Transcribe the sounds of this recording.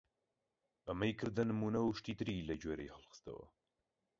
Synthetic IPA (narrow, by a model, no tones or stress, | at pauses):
ɐmɐjkʰɨɾd̪ɐnɨmuːnɐwʃt̪iːt̪ɨɾilɐd͡ʒweːɾḛjhəlˠxɨ̥st̪ɐ̰wɐ̰